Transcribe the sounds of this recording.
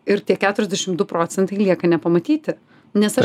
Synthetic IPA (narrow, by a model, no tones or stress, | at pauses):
ɪɾt̪ʲiɛkʲæːt̪ʊɾʲɛzd̪ʲɛʃʲɪmd̪ʊpɾoːt̪sʲɛnt̪ɐɪlʲiɛkɐnʲɛpɐmɐt̪ʲiːt̪ʲɪ | nʲɛsɐ